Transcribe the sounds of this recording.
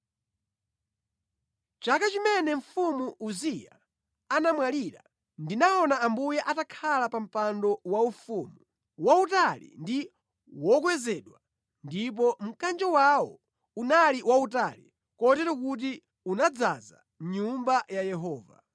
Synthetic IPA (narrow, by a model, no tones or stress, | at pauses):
t͡ʃakat͡ʃimɛnɛɱ̩fumuuzija̰ | anamwaliɾa̰ | ndinaɔnaambujɛʔatakʰalapam̩pandɔwaufumu | wautalḭndi | wɔkwɛzɛɗwa | ndip̬ɔm̩kand͡ʒɔwawɔ | unaliwautalḭ | kɔtɛɾɔk̬ut̬i | unad͡zaza̰ | ɲumbajajɛɦɔːva̰